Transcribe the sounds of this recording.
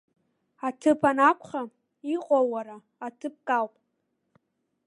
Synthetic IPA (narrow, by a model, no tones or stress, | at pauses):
atʰɨpʰanakʷʰχa | iqʷʼowaɾaːtʰɨp̚kʼawpʼ